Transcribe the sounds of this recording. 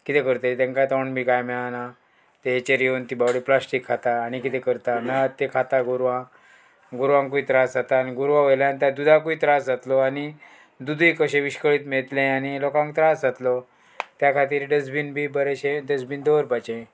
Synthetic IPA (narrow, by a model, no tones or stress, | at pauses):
kit̪ekəɾt̪et̪ɛ̃ŋkat̪ɔɳbʱikajmɛɭana | t̪eɦet͡ɕeɾijont̪ibawɽiplasʈikʰːat̪aːñikit̪ɛkəɾt̪amɛɭat̪ːekʰat̪aɡuɾʋã | ɡuɾʋãŋkuit̪ɾasd͡zat̪aːniɡuɾʋãʋojlanit̪jad̪ud̪ʱãkuit̪ɾasd͡zat̪lɔani | d̪ud̪ʱikəɕẽʋiɕkəɭiːt̪meɭt̪lẽanilokãŋkt̪ɾasd͡zat̪lɔ | t̪jakʰat̪iːɾɖəd͡zbinbʱiːbəɾeɕẽɖəd͡zbind̪oʋəɾpat͡ɕẽ